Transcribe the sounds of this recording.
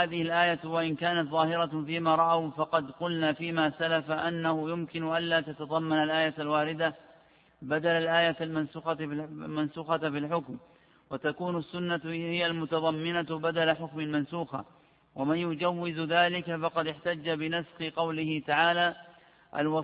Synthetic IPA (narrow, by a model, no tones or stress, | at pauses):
aːðɪhɪlʔaːjawaʔɪnkaːnat̪ðˤɑːhɪɾɑfiːmaːɾˤɑʔawfɑqɑd̪qʊlnaːfiːmaːsalafaʔanːahʊjʊmkɪnʊʔanlaːt̪at̪ɑðˤɑmːanalʔaːjaalwaːɾɪd̪a | bad̪alalʔaːjalmansuːxɑmansuːxɑfɪlħʊkm | wat̪akuːnʊasːʊnːahɪjalmʊt̪ɑðˤɑmːɪnabad̪alaħʊkmalmansuːxa̰ | wamanjʊd͡ʒawːɪzðaːlɪkafɑqɑd̪ɪħt̪ad͡ʒːabɪnasxɪqɑwlɪhɪt̪aʕaːlaː | ʔa̰lwɑ